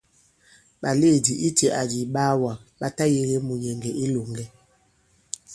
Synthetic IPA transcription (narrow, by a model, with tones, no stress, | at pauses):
ɓa˨le˦˨di˨ʔi˦tɛ˨ʔa˨di˨ɓaː˦wa˨ɓa˦ta˦je˦le˦mu˨jɛ˨ŋɡɛ˨i˦lo˨ŋɡɛ˦